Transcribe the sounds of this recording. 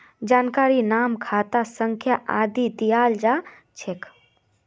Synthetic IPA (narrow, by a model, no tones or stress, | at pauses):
d͡ʒaːnkaːɾinaːmkʰaːt̪asəŋkʰjaʔaːd̪id̪ijaːld͡ʒa | t͡ʃʰekʰ